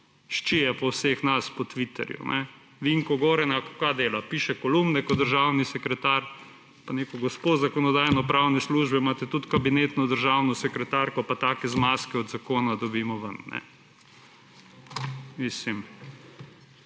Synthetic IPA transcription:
ʃt͡ʃijɛpɔwsexnaspɔt̪ʋit̪ɛ̰ɾjṵnʔɛ | ʋiŋkɔɡɔːɾɛnakokad̪eːlapiːʃɛkɔlumnɛkɔd̪̚d̪əɾʒawnisɛkɾɛt̪aɾ | paneːkɔɡɔspozakɔnɔd̪aːjnɔpɾawnɛsluːʒbɛmaːt̪ɛt̪ut̪kabineːt̪nɔd̪əɾʒawnɔsɛkɾɛt̪aɾkɔpat̪aːkɛzmaːskɛɔd̪zakoːnad̪ɔbiːmɔʋɐnnɛ̰ | mislim

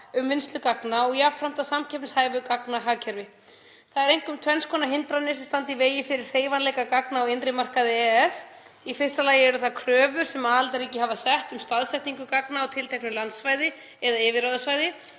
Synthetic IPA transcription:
ʏmːɪnst̪lʏkaknaɔɣjapfɾam̥t̪awsamcʰɛpnshaːjvʏkaknaɦaːcʰɛɾvɪ | θaðɛɾejŋ̥kʏmt̪ʰvɛnskʰɔːnaɦɪnt̪ɾanːɪsɛmst̪ant̪iveːjɪfɪɾɪr̥reːjvanlɛjkakaknaɔɪnt̪ɾɪmar̥kaðɪɛɛs | ifɪrst̪alaːjɪɛɾʏθaðkʰɾœːvʏɾ̥sɛmaalt̪aɾiːcɪɦavasɛht̪ʏmst̪aðsɛjht̪niŋkʏkaknaawt̪ʰɪlt̪ʰɛknʏlant̪svaːjðɪ | ɛðaɛːvɪɾaðʏsvajðɪ

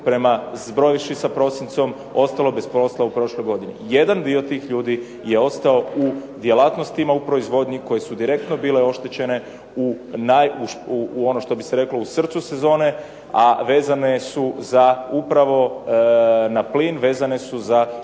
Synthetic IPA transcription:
pɾe̞mazbɾo̞jiʃisapɾo̞sint̪so̞m | o̞st̪alo̞be̞spɾo̞slˠaupɾo̞ʃlo̞jɡo̞d̪inḭjed̪and̪iot̪iːxʎuːd̪i | je̞o̞st̪ao̞ud̪jelat̪no̞st̪imaupɾo̞izʋo̞d̪ɲiko̞je̞sud̪iɾe̞k̚t̪no̞biːleo̞ʃt̪et͡ɕe̞ne | unajuʃo̞no̞ʃt̪o̞biseɾe̞klo̞usr̩t̪suse̞zo̞ːne̞ | aʋe̞ːzane̞suzaupɾaʋo̞ | napliːnʋe̞ːzane̞suza

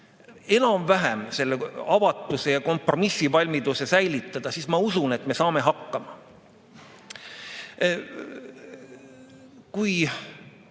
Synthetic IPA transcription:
e̞nɑmvæɦæmse̞lːeɑvɑt̪ːˑuse̞jɑko̞mpro̞misːivɑlʲmid̪use̞sæjlit̪ːˑɑd̪̥ɑsismɑusune̞t̪me̞sɑːme̞ɦɑkˑːɑmɑ | kuj

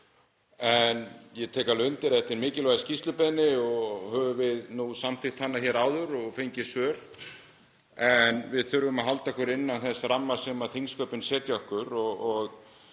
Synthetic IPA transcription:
ɛnjɛt̪ʰɛːkalʏnt̪ɪɾɛht̪ɪɾmɪːcɪlvajscist̪lʏpɛðnɪɔɣhœːvʏvɪðnusamθɪxt̪hanːaçɛːɾaːwðʏɾɔɣfejɲcɪ̥svœːɾ̥ | ɛnvɪðθʏɾvʏmaðɦalt̪ahkʰvɛɾɪnːanθɛsramːḁsɛmaθiŋskœːpɪnsɛːt̪jɔhkʏɾɔɣɔɣ

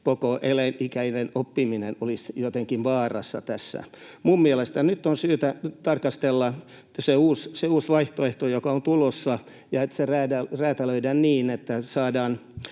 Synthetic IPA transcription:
kokoʔelænʔikæinenopːiminenolisjot̪eŋkinʋɑːrɑ̰sːɑ̰t̪æsːæ̰mummielest̪ænyt̪ːonsyːt̪æt̪ɑrkɑst̪elːɑ | seuːsseuːsʋɑiht̪oeht̪ojokɑont̪ulosːɑ | jɑet̪seræːdæræːt̪æløidænniːnet̪ːæsɑːdɑːn

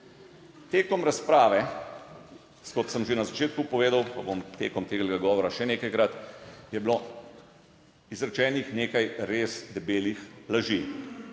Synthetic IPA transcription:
t̪eːkɔmɾaspɾaːʋɛ | skɔt̪səmʒenazat͡ʃeːt̪kupɔʋeːd̪awpabomt̪eːkɔmt̪eːɡlɡaɡɔːʋɔɾaʃɛneːkajkɾat̪jɛblo | izɾɛt͡ʃɛːnixneːkajɾeːsd̪ɛbeːlixlaʒi

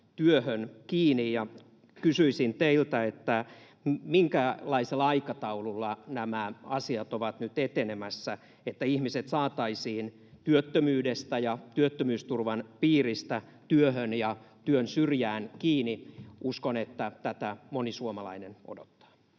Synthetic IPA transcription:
t̪yøhønkiːnijjɑ | kysyisint̪eilt̪æet̪ːæ | miŋkælɑiselːɑɑikɑt̪ɑululːɑnæmæɑsiɑt̪oʋɑt̪nyt̪et̪enemæsːæ | et̪ːæihmiset̪sɑːt̪ɑisiːn | t̪yøt̪ːømyːdest̪æjɑt̪yøt̪ːømyːst̪urʋɑnpiːrist̪æ | t̪yøhønjɑt̪yønsyrjæːnkiːniuskonet̪ːæt̪æt̪æmonisuomɑlɑ̰inenʔo̰dot̪ːɑ̥ː

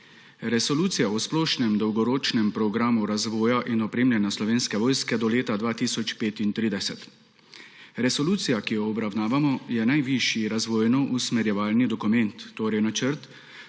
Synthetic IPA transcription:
ɾɛsɔluːt̪sijaɔsplɔːʃnɛmd̪ɔwɡɔɾoːt͡ʃnɛmpɾɔɡɾaːmuɾazʋɔːjaʔinɔpɾeːmlʲjanjaslɔʋeːnskɛʋɔːjskɛd̪ɔleːt̪ad̪ʋaːt̪iːsɔt͡ʃpeːt̪int̪ɾiːd̪ɛsɛt̪ | ɾɛsɔluːt̪sijakijɔːbɾawnaːʋamɔjɛnajʋiʃjiɾazʋɔːjnɔʔusmɛɾjɛʋaːlnid̪ɔkumɛnt̪ːoːɾɛjnat͡ʃəɾt̪

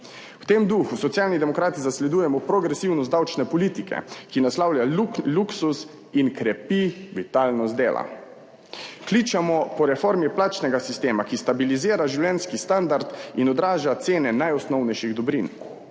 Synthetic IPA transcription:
wt̪emd̪uxusɔt̪sjaːlnid̪ɛmɔkɾaːt̪izaslɛd̪uːjɛmɔpɾɔɡɾɛsiwnɔsd̪awt͡ʃnɛpɔliːt̪ikɛ̰kinaslawljauluksus | inkɾɛpiʋit̪aːlnɔzd̪ḛːlʔa̰ | klit͡ʃamɔpɔɾɛfoɾmiplaːt͡ʃnɛɡasist̪eːmakist̪abiliziːɾaʒiwlʲɛnskist̪and̪aɾt̪inɔd̪ɾaːʒat̪seːnɛnajɔsnɔwnɛjʃiɣd̪ɔbɾin

